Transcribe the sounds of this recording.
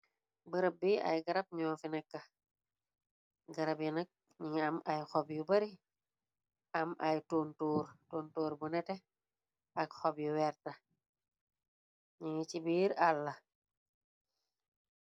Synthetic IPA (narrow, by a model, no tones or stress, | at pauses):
bɐɾɐb̚biɐ̰jɡɐɾɐp̚ɲɔːfinɛkːɐ | ɡɐɾɐpjinɐk̚ | ɲiŋɐmɐjxɔpjubɐɾi | ɐmʔɐjtoːntuːɾtoːntoːɾbunɛtɛ | ɐkxɔbjuwɛrtɐ | ɲiŋit͡ʃibiːɾɐlːɐ